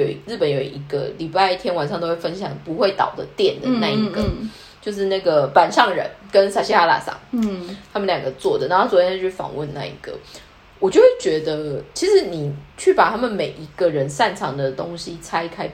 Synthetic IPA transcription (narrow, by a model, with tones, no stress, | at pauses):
o˨˩ʊɻ̩˥˩pə˨˦njo˨˩ʊi˧˥ɡə̰˧˩li˨˩pa˥˧ɪt̪ʰjɛ˥nwa˨˩nʂɑ˥ŋt̪o˥ʊwe˥˩fə˥nɕjɑ˨˩ŋpu˧˦xwe˥˩ɪt̪ɑ̰˨˩ʊd̪ə˦t̪jɛ˥˩nd̪ə˩na˥˩i˧˥ɡə˨ | t͡ɕjo˥˧ʊʂ̬ɻ̩˥˧na˥˩ɡə˩pa˨˩nʂɑ˥˩ŋɻə̰˧˦nkə˦nsa˨˧˩ɕi˥xa˥la̰˨˩sɑ̰˥˦ŋt̪ʰa˥mə˨nljɑ˨˩ŋɡə˦t͡swɔ˥˩d̪ə˩na˥˩o˥˩t͡swɔ˨˩jɛ˥y˥˩fɑ̰˨˩ŋwə˥˨nna̰˥˩ḭ˧˥ɡ̥ə̰˩ | wɔ˨˩t͡ɕjo˥ʊxwe˥˩ɪt͡ɕɥɛ˧˥d̪ə˧t͡ɕʰi˧˥ʂɻ̩˧˥ni˨˩t͡ɕʰy˥˩pa˨˩t̪ʰa˥mə˨nme˨˩ɪʔi˧˥ɡ̥ə˨ɻə˧˦nsa˥˩nʈ͡ʂʰɑ˧˥ŋd̪ə˨t̪o˦˥ŋɕi˦t͡sʰa˥ɪkʰa˥ɪ